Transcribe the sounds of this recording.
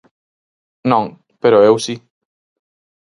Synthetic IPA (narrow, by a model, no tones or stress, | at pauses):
nɔŋ | peɾɔewsi